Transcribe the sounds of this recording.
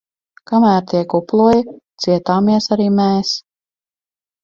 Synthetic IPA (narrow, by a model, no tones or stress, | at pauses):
kamæːɾt̪iɛkuplˠuɔjit̪siɛt̪aːmiɛsaɾiːmeːs